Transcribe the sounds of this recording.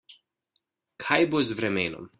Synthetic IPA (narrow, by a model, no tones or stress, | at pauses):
kʰajbozvɾɛmeno̰m